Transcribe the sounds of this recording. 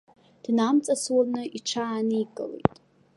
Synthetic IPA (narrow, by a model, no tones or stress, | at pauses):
d̥namt͡sʼaswanɨʔiʈ͡ʂʰaːnikʼɨ̰lḛjtʼ